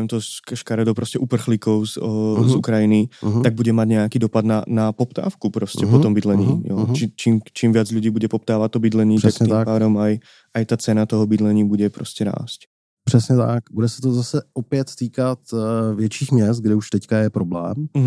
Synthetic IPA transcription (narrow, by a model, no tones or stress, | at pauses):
ɛmt̪ɔkʃkaɾɛd̪ɔpɾoscɛʔupr̩xliːkɔʊzəzṵkɾajinit̪aɡ̚buɟɛmaɟɲɛakiːd̪ɔpad̪nanapɔpt̪a̰ːfkupɾoscɛpɔt̪ɔmbid̪lɛɲiːj̰t͡ʃit͡ʃiːmt͡ʃiːmʋɪad͡zʎuɟiːbuɟɛpɔp̚t̪aːʋat̪t̪ːɔbid̪lɛɲiːat̪impaːd̪omaj | ajt̪aːt͡sɛnat̪ɔɦɔbid̪lɛɲiːbuɟɛpɾoscɛɾa̰ːsc | pr̥ɛsɲɛt̪akbudɛsɛ̥t̪ozasɛopɪɛt̪t̪iːkat̪vjɛt͡ʃiːxmɲɛs̬t̪̚ɡdɛuʃt̪ɛckajɛpɾoblɛ̰ːm̩ɦ